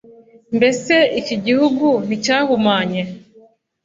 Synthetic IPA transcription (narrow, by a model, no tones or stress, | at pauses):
mbeseiciɟihuɡun̥icaːhumaːɲe